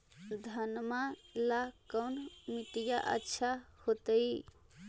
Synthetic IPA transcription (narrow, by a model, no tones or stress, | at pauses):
d̪ʱənmalakəwnmit̪ijaʔə̰tːʃʰahot̪əj